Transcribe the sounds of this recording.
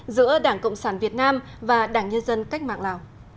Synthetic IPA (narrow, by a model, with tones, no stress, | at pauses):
zɨ̰˧˥əɗaː˧˩ŋkə̰˧˨wŋ͡msaː˧˩nvi˨˩ət̚naː˧mvaː˨˩ɗaː˧˩ŋɲə˧nzə˧nka˦˥jk̟̚ma̰ː˧˨ŋlaː˨˩w